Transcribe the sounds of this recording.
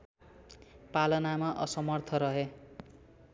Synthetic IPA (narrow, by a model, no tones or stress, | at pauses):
palʌnamaʔʌ̰sʌmʌrt̪ʰʌɾʌɦe